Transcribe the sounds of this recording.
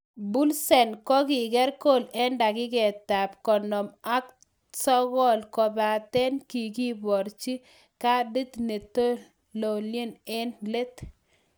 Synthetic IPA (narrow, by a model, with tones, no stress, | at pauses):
bu˦lsɛ˨nkɔ˦kɪ˨ɡɛ˦ɾko˦˨lɛ˦nda˨kɪ˦ɡɛ˨ta˨pkɔ˨nɔ˨ma˦k | sɔ˦ɣɔ˦˨lkɔ˨ba˨t̪ɛ˦nki˨ɡi˦bɔ˨ɾt͡ʃi˦ | ka˦di˦t̪ne˨to˦ | lo˨le˦ne˦nle˦t̪